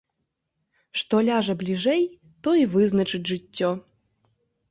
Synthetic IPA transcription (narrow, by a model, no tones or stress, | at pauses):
ʂt̪ɔlʲaʐɐblʲiʐɛj | t̪ɔivɨznɐt͡ʂɨdʲʐɨtʲːɔ